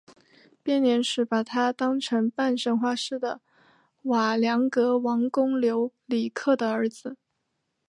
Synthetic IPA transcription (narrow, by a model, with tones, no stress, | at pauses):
pjɛ˥˩nljɛ˧˥nʂɻ̩˧˥pa˨˩t̪ʰa˥t̪ɑ˥ŋʈ͡ʂʰɤ˧˥ŋpa˥˧nʂə˥ŋxwa˥˧ʂɻ̩˥˩d̪ə˩ | wa˨˩ljɑ˧˥ŋkɤ˧˥wɑ˧˥ŋkʊ˥ŋljo˧˥ʊli˨˩kʰɤ˥˩d̪ə˩ə˞˧˥d͡zɹ̩˧